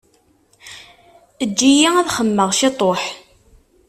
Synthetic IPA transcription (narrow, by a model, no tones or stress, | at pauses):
əd͡ʒːijææðχəmːəʁʃit̪ˤoħ